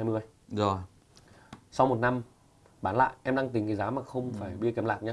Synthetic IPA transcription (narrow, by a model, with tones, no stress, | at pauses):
aː˧jmɨ˧əj | zo˨˩j | sa˧wmo˨˩t̚na˧m | ɓaː˧˩nla̰ː˧˨jʔɛ˧mɗa˧ŋt̪ï˨˦ŋkaː˨˩zaː˨˦maː˨˩xə˧wŋ͡mfaː˧˩jɓi˧ət̚ki˨˦laː˨˩k̚ɲaː˧